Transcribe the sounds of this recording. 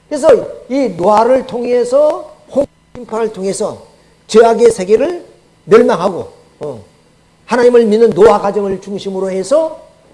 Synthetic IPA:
kɯɾes̬ʰʌinoaɾɯɭtʰoŋesʰʌho | ɕʰimpʰanɯɭtʰoŋe̞sʰʌ | t͡ɕeaɡiesʰe̞ɡeɾɯɭ | mjʌɭmaŋɦaɡo̰ | hanaɲimɯɭminːɯnːoakad͡ʑʌŋɯɭt͡ɕuŋɕʰimɯɾohe̞sʰʌ

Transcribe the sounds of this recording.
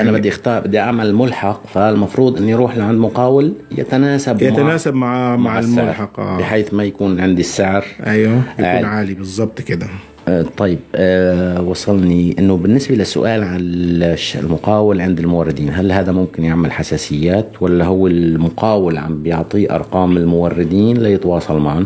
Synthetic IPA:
ʔanabɪd̪ːiʔɪxt̪ɑːɾˤbɪd̪ːiʔaʕmalmʊlħɑqfalmɑfɾuːd̪ˤʔɪnːujɾuːħlaʕand̪mʊqɑːwɪlja̰t̪anaːsabjamaanaːsabmaʕmaʕalsːmaʊlʕɾħɑqʔɑbɪħeːθmajakuːnʕɪnd̪isːɪʕɾʔajwaʔkunʕaːlibɨzˤːɑb̚t̪ˤkɪd̪a | t̪ˤːɑjːɪb̚ | wɑsˤːɑlniʔɪnːʊbɪnːɪsbalasːʊ̰ʔaːlʕaʃlmʊqɑːwɪlʕɪnd̪ɪlmʊwɑrˤːɪd̪iːnɦalhaːd̪amʊmkɪnjɪʕmalħasaːsɪjːaːt̪walːaɦʊwːɪlmʊqɑːwɪlʕa̰mbjɪʕt̪ˤiʔɑ̰ɾˤqɑːmɪlmʊwɑrːɪd̪iːnlajɪt̪wɑːsˤɑlmaʕn

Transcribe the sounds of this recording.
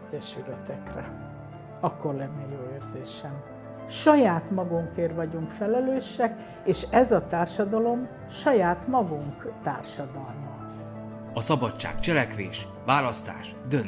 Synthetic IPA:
ɟɛʃylɛt̪ɛkrɛ̰ | ɒkːo̞rlɛnːejoːeːrzeːʃɛm | ʃɒjaːt̪mɒɡuŋkeːrʋɒɟuŋkfɛlɛløːʃːɛk | eːʃɛzɒt̪aːrʃɒd̪ɒlo̞m | ʃɒjaːt̪mɒɡuŋkt̪a̰ːrʃɒd̪ɒlmɒ | ɒsɒbɒtt͡ʃːa̰ːkt͡ʃɛlɛkʋeːʃ | ʋaːlɒst̪a̰ːʃ | d̪øn

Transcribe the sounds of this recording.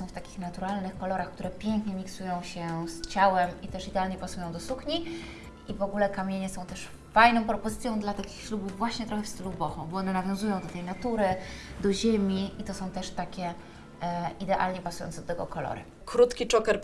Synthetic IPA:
ɔ̃w̃ft̪akʲi̥xnat̪uɾalnɘxkɔlɔɾaxk̚t̪uɾɛpʲjeŋkɲɛmʲiksujɔ̃w̃ɕɛst͡ɕawɛmʔit̪ɛʂid̪ɛalɲɛpasujɔ̃w̃d̪ɔsuxɲi | ivɔɡulɛkamʲjeɲɛsɔ̃w̃t̪ɛʂ | fajnɔ̃w̃pɾɔpɔzɘt̪sʲjɔ̃w̃d̪lat̪akʲixɕlubuvːwaɕɲɛt̪ɾɔxɛfst̪ɘlubɔxɔ̰̃w̃bɔɔnɛnavʲjɔ̃w̃zujɔ̃w̃d̪ɔt̪ɛjnat̪uɾɘd̪ɔʑemʲiʔit̪ɔsɔ̃w̃t̪ɛʂt̪akʲɛ | id̪ɛʔa̰lɲɛpasujɔ̰nt̪sɛd̪ɔt̪ɛɡɔkɔlɔ̰ɾɘ̰ | kɾut̪kʲit͡ʂɔkɛɾ

